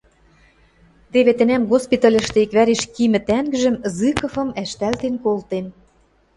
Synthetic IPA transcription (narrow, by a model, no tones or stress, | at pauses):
t̪eβet̪ɘ̆næmɣospit̪ɑlʲɘ̆ʃt̪ĕikβæɾeʃkimɘ̆t̪æŋɡɘ̆ʒə̆mzɨkɤ̆fɤ̆mæʃt̪ælt̪enkolt̪en